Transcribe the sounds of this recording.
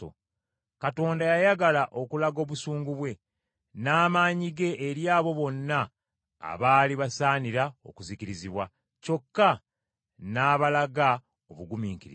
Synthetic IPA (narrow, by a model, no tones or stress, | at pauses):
kato̞ːndajajaɡalaʔo̞kulaɡo̞ːβusuːŋɡuβwe̞ | naːmaːɲiɡe̞ʔeɾjaːβo̞βo̞nːa̰ː | βaːliβasaːniɾao̞̰kuziciɾiziβwa | co̞kːa | naːβalaɡa | o̞βuɡumiːŋkiɾḭ